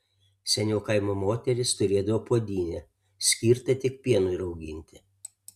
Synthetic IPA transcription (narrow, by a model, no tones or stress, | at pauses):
sʲɛnʲoːkɐɪmoːmoːt̪ʲɛɾʲɪst̪ʊɾʲeːd̪ɐʋoːpoɔd̪ʲiːnʲɛ | sʲkʲiːɾt̪ɐt̪ʲɪk̚pʲiɛnʊɪɪɾɒʊɡʲɪ̰nʲt̪ʲɪ